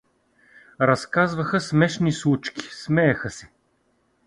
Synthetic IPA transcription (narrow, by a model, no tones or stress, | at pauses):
ɾɐskazvɐxəsmɛʃnislˠut͡ʃki̥smɛjɐxəsɛ̥